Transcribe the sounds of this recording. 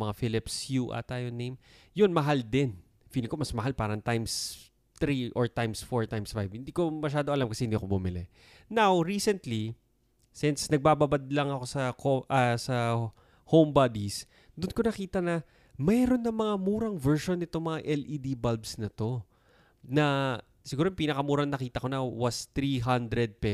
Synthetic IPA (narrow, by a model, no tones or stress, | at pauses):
mɐŋafilɪpsjuʔɐ̰t̪aːjonejm | jonmɐɦald̪ɪn | fiːlɪŋkomɐsmɐɦalpaːɾɐŋt̪ajms | t̪ɾiʔoɹt̪ajmsfoɹt̪ajmsfajv̥hɪnd̪iːko̞mɐʃ̬aːd̪o̞ʔɐlamkɐsɛhɪnd̪iːɐkobumɪlɛ | nawɾiːsɛnt̪li | sɪnsnɐɡ̚baːbɐbad̪̚lɐŋɐko̞sɐkoʔɐsɐ | hombad̪is | d̪ʊnkonɐkiːt̪ɐnɐ | mɛɾonːɐmɐŋamuːɾɐŋvɛɹʃonːɪt̪oŋmɐŋaʔɛlʔid̪ibalbsnɐt̪o̞ | nɐ | sɪɡuːɾompiːnɐkɐmuːɾɐŋnɐkiːt̪ɐko̞nɐwɐst̪ɾiɦɐnd̪ɾɛd̪̚pɛ